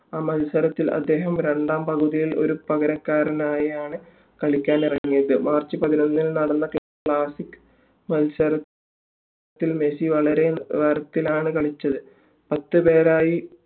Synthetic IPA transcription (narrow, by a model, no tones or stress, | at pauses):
aːmɐlsɐɾɐt̪ːilɐ̰d̪ːe̞ːɦɐmɾe̞ɳɖaːmpɐɣuðijilo̞̰ɾupɐɣɐɾɐkːaːɾɐnaːjɐjaːɳɨ | kɐɭikʲːaːnirɐŋːijɐðɨmaːrt͡ɕːipɐðino̞nːilnɐɽɐnːɐk | ɭaːsikːɨ̥ | mɐlsɐɾɐ | t̪ːilme̞siʋɐɭɐɾe̞ʋɐɾɐt̪ːilaːɳɨkɐɭit͡ɕːɐðɨ | pɐt̪ːɨpe̞ːɾaːji